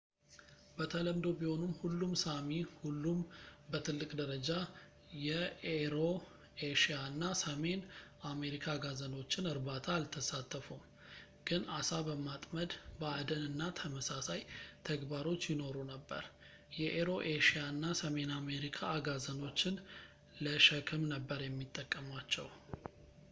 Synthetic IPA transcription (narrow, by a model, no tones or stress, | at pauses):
bət̪ʰələmd̪o̞biho̞nɨmhulːumsamihulːumbət̪ʰɨlːɨkʼd̪əɾəd͡ʒa | jɛeɾo̞ | eʃaɨnːasəme̞name̞ɾikʰaɡazəno̞t͡ʃːɪnɨɾbat̪ʰaːlt̪ʰəsat̪ʰːəfum | ɡ̥ɨnasabəmat̪ʼməd̪bəad̪ənɨnːat̪ʰəməsasajt̪ʰəɡbaɾo̞t͡ʃːjɪno̞ɾunəbːə̰ɾ | jɛʔeɾo̞ʔeʃjaɨnːasəme̞name̞ɾikʰaɡazəno̞t͡ʃːɪn | ləʃəkʰɨmnəbːəɾjɛmːit̪ʼːəkʼːəmat͡ʃːɛ̰w